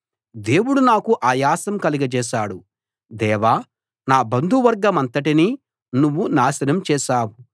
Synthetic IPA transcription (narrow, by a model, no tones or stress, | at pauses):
d̪e̞ːwuɽunaːkuʔaːjaːsɐmkɐliɡɐt͡ʃɛːʃaːɽu | d̪ɛːʋaː | naːbɐnd̪ʱuʋɐɾɡɐmɐnt̪ɐʈini | nuʋːunaːsɐnɐmt͡ʃɛːʃaːwu